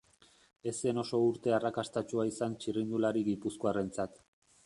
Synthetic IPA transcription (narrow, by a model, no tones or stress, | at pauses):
e̞se̞no̞so̞uɾt̪e̞arakast̪at͡ʃuaisant͡ʃirind̪ulaɾiɣipuskoare̞nt͡sat̪